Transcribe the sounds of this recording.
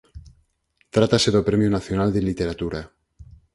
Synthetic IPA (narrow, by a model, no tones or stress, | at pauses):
t̪ɾat̪ase̞ðopɾemjunaθjonald̪elit̪eɾat̪uɾa